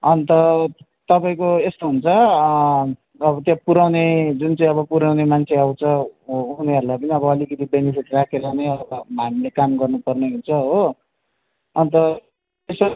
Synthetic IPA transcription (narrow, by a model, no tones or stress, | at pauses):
ʌnt̪ʌ | t̪ʌpaĩkoest̪oɦunt͡sʰʌ | bʌt̪jãpuɾawned͡zunt͡saĩʌβʌpuɾawnemant͡sʰeaw̃t͡sʰʌuneɦʌɾulajpʌniʌβʌːlikʌt̪ibenipʰiʈrakʰeɾanʌjʌbʌɦamilekamɡʌrnupʌrneɦunt͡sʰʌɦo | ʌnt̪ʌ | es